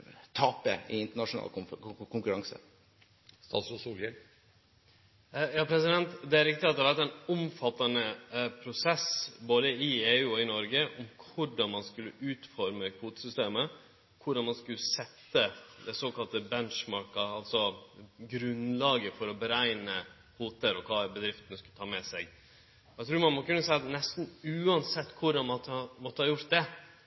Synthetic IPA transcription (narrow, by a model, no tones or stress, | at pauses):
t̪ʰɑːpə̰ɪɪnt̪əɳɑʂʊnɑ̰ːlkʊŋkʉɾɑŋsə̰ | st̪ɑ̰ːt̪sʊsuːlə | jɑːpʰɾɛsɪd̪ɛnt̪d̪ɛæɾɪkt̪ɪɑt̪d̪ɛhɑʋæɾt̪æɪnʊmfɑt̪ːɑnəpʰɾʊsɛsboːd̪əɪeːʉːɔɪnɔɾɡəʔɔmkʰʊɖɑnmɑnskʉlːəʔʉːt̪fɔɾməkʰfuːt̪sʏst̪eːmə | kʰʊɖɑnmɑnskʉlːəsɛt̪ːəd̪ɛsoːkɑlt̪əbɛnʂmɑɾkɑɑlt̪sɔɡɾʉnlɑːɡəfɔɾɔbəɾæɪnə | huːt̪əɾɔkʰɑːbəd̪ɾɪft̪ənəskʉlət̪ʰɑːmɛsɛɡ | æɪt̪ʰɾʉːɾmɑnmɔkʉnːəsænɛst̪n̩ʉːɑnsɛt̪ːkʰʊɾɑnmɑt̪ːmɔt̪ːəhɑɾjʊɾt̪̚d̪ɛ